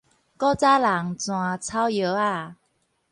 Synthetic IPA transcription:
kɔ˥˦t͡sa˦˥la˨˦ŋt͡sw̃ã˨˩t͡sʰa˦wjo˨˦a˥˧˩

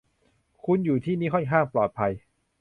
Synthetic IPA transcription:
kʰu˧njuː˨˩t̪ʰiː˥˩niː˦˥kʰɔ˥˩nkʰaː˥˩ŋplɔː˨˩t̪̚pʰa˧j

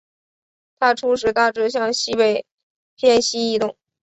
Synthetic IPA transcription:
t̪ʰa˥ʈ͡ʂʰu˥ʂ̬ɻ̩˧˥t̪a˥˧ʈ͡ʂɻ̩˥ɕ̬jɑ˥˧ŋɕi˥pe˥˩ɪ | pʰjɛ˥˧nɕi˥i˥˧t̪ʊ˥˩ŋ

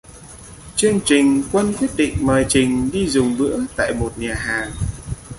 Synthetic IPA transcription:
t͡ɕɨ˧əŋt͡ɕï˨˩ŋ̟kwə˧nkwi˦˥t̚ɗḭ̈˧˨ŋ̟məː˨˩jt͡ɕï˨˩ŋ̟ɗi˧zʊ˨˩ŋ͡mɓɨ̰˧˥ət̪a̰ː˧˨jmo˨˩t̚ɲaː˨˩ɦaː˨˩ŋ

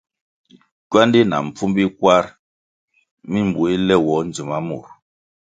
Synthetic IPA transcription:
kɥwa˦ndi˦na̰˨m̩˨p͡fu˦mbi˦kwa˦ɾ | mi˦m˨bu˨˦i˦lɛ˦wɔ˨˦n˨d͡zu˨ma˦mṵ˨ɾ

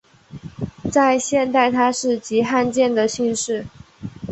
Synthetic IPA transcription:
t͡sa˥˧ɪɕjɛ˥˧nt̪a˥˩ɪt̪ʰa˥ʂɻ̩˥˩t͡ɕi˧˥xa˥˧nt͡ɕjɛ˥˩nd̪ə˩ɕi˥˧nʂɻ̩˥˩

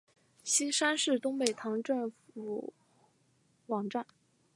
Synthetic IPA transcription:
ɕi˥nʂa˥nʂɻ̩˥˩t̪ʊ˥ŋpe˨˩ɪt̪ʰɑ˧˥ŋʈ͡ʂɤ˥˩ŋfu˨˧˩ | wɑ˨˩ŋʈ͡ʂa˥˩n

